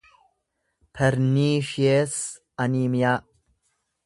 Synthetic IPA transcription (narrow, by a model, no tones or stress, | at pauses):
pʰɐɾniːʃies | ɐniːmjaː